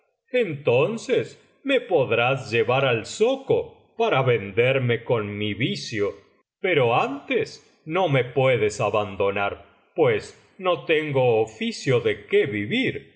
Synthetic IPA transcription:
ent̪onses | mepoðɾasʒeβaɾalsoko | paɾaβend̪eɾme̞konmiβisjo | peɾo̞ant̪es | no̞me̞pweðesaβand̪o̞naɾ | pwes | not̪eŋɡoːfisjoðekeβiβiɾ

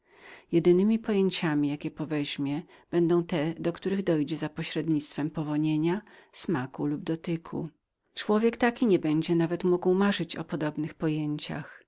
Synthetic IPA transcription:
jɛd̪ɘnɘmʲipɔjeɲt͡ɕamʲijakʲɛpɔvɛʑmʲjɛ | b̥ɛnd̪ɔ̃w̃t̪ɛd̪ɔkt̪uɾɘɣd̪ɔjd͡ʑɛzapɔɕɾɛd̪ɲit̪st̪fɛmpɔvɔɲeɲasmakulubd̪ɔt̪ɘkʰṵ | t͡ʂwɔvʲjɛkt̪akʲiɲɛbɛɲd͡ʑɛnavɛt̪muɡwmaʐɘt͡ɕɔ̰pɔd̪ɔbnɘxpɔjeɲt͡ɕa̰x

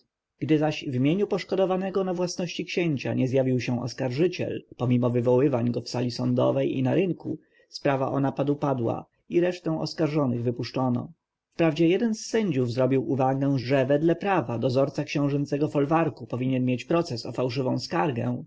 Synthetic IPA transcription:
ɡ̥d̪ɘzaɕvmʲjeɲupɔʂkɔd̪ɔvanɛɡɔnavwasnɔɕt͡ɕikɕeɲt͡ɕa̰ɲɛzjavʲiwɕɛ̃ɔ̰skaɾʐɘt͡ɕɛ̰lpɔmʲimɔvɘvɔwɘvaɲɡɔfsalʲisɔnd̪ɔ̰vɛjḭnaɾɘŋku | spɾava̰ʔɔnapad̪upad̪wa̰ | iɾɛʂt̪ɛw̃ɔ̰skaɾʐɔnɘɣvɘpuʂt͡ʂɔnɔ̰ | fpɾavd͡ʑɛjɛd̪ɛnsːɛɲd͡ʑuvzɾɔbʲiwʔuvaɡɛ̃ʐɛvɛd̪lɛpɾavad̪ɔzɔɾt̪sakɕɛ̃w̃ʐɛnsɛɡɔfɔlvaɾkupɔvʲiɲɛnmʲjet͡ɕpɾɔt̪sɛsɔfawʂɘvɔ̃w̃skaɾɡɛ̰̃

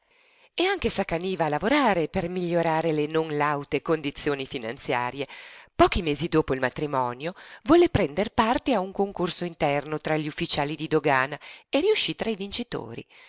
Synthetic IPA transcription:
eaŋk̟esakaniːvaːlavoɾaːɾepermiʎːoɾaːɾelenonlawt̪ekond̪it̪sːjoːnifina̰nt̪sjaːɾjepɔːk̟imeːzid̪oːpoilmat̪ɾimɔːnjovwɔlepɾɛnd̪erpart̪eauŋkoŋkorsoint̪ɛrnot̪ɾaʎːiufːit͡ʃaːlid̪id̪oɡaːnaeɾiuʃit̪ɾaivint͡ʃit̪o̰ːɾḭ

